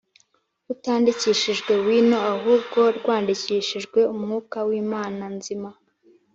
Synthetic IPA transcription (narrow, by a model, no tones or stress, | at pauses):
utaːndiciʃiʒɡwe̞wiːno̞aɦuːbɡo̞ɾɡwaːndiciːʃiʒɡwe̞umŋuːkawiːmaːnanzima